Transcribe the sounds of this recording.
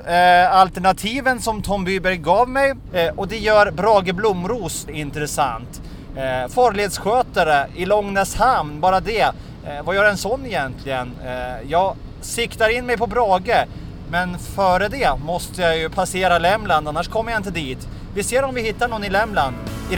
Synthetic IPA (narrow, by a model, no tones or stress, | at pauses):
alt̪ɛɳat̪ʰiːvənsɔmt̪ʰɔmbyːbæɾɡɑːvmɛj | ɔd̪ɛjœːɾbɾɑːɡəblʊmːɾuːsɪnt̪ɾɛsa̰nt̪ | fɑːɾɭɪeːd̪sɧøːt̪aɾəɪlɔŋnɛshamnbɑːɾad̪ɛ | vajœːɾɛnsɔnːɪjɛnt̪ʰlɪɡənjɑːɡ | sɪkt̪aɾɪnːmɛjpʰɔbɾɑːɡə | mɛnfœːɾəd̪ɛmɔst̪əjajɵpʰaseːɾalɛmland̪anːaʂkʰɔmːəɾjaɪnt̪̬əd̪iːt̪ | vɪseːɾɔmvɪhɪt̪ːaɳɔnːɪlɛmland̪